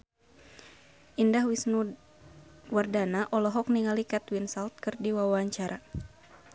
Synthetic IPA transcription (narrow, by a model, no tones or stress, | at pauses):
ʔindahwisnu | wardanaʔɔlɔɦɔk̚niŋalikɛt̪winsalt̪̚kɨrdiwawaɲt͡ʃaɾʔa